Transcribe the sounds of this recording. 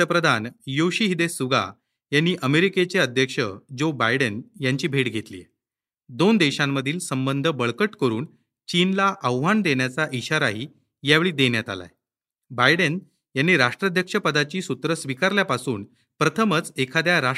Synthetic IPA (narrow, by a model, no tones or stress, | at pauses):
əpɾəd̪ʱanjoɕiɦid̪esuɡa̰ | janːiːʔəmeɾiket͡seəd̪ʱjəkʂəd͡ʑobajɽənjaɲt͡ɕiːbʱeʈɡʱet̪lḭjḛ | d̪ond̪eɕãmːəd̪ʱiːlsəmbənd̪ʱəbəɭkəʈkəɾuːn | t͡ɕinlaʔəʋʋand̪eɳjat͡saʔiɕaɾaɦi | jaʋeɭiːd̪eɳjat̪a̰la̰e | bajɽən | janːiːɾaʂʈɾəd̪ʱjəkʂəpəd̪at͡ɕiːsut̪ɾəsʋikaɾljapasuːn | pɾət̪ʰəmət͡sekʰad̪jaɾa